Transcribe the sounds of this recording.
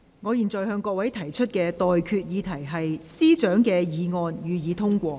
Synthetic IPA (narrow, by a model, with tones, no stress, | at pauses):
ŋɔː˨˧jiː˨˩nt͡sɔː˨˩jhœː˧ŋkɔː˧k̚wɐ˨˥jt̪ʰɐ˨˩jt͡ʃʰɵ˥t̚kɛː˧t̪ɔː˨jkʰyː˧t̚jiː˨˧t̪ʰɐ˨˩jɦɐ˨jsiː˥t͡ʃœː˨˥ŋkɛː˧jiː˨˧ŋɔː˧njyː˨˧jiː˨˧t̪ʰʊ˥ŋkʷɔː˧